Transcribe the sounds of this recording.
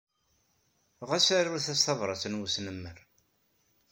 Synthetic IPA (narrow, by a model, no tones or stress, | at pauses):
ʁasaɾʊɾθæsθɑvɾˤɑsənwusnəmːəɾ